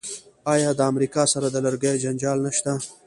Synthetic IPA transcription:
ɑjɑd̪əamɾikɑsaɾad̪əlaɾɡajd͡ʒand͡ʒɑlnaʃt̪a

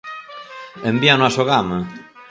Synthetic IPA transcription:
embjanʊasoɣame

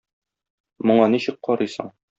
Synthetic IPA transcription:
mŏɴɑniɕɘk̚qɒɾɤjsɤ̰ɴ

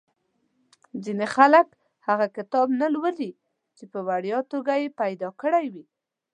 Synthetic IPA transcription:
zinexalək | haɣakɪt̪ɑbnalwəli | t͡ʃepəwaɽjɑt̪oɡajepajd̪ɑkəɽajwi

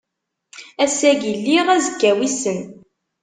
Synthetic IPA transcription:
æsæɡilːiʁæzəkːæwisən

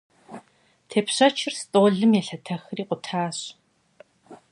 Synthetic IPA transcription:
tʰeːpɕɐt͡ʃʰɪrstʼoːɮɨmjɛɬɐtʰɐxriːqʷʼʊtʰaːɕ

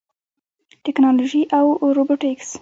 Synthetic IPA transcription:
ʈɪknɑloʒiʔawɾoboʈɪks

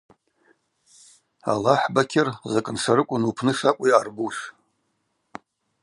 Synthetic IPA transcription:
a̰laħbakʲʰɪrzakʼɨnʂaɾɨkʷʼʊnupʰnɨʂakʷʼʊjarbuʃ

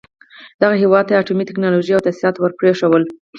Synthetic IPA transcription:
d̪aɣaɦewɑd̪̚t̪aaʈumit̪ɪknɑloʒijawt̪asiɾɑt̪wəɾpɾeʂəwəl

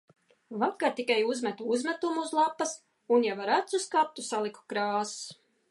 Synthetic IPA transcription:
vakːat̪ikajuzmɛt̪uuzmɛt̪umuuzlˠapːɐs | unjavaɾat̪suskap̚t̪usalˠiku̥kɾaːs

